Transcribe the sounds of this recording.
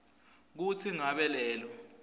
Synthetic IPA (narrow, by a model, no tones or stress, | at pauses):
k̬ut͡sʰiŋaɓɛlɛːlɔ